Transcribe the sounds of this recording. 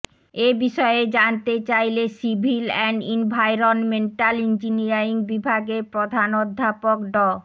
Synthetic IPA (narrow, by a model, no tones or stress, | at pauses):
ebiʃɔed͡ʑant̪et͡ɕajlesibʱilɛɳɖimbʱajɾonmeɳʈalind͡ʑiniaiŋbibʱaɡepɾod̪ʱanod̪ʱːapokɖɔ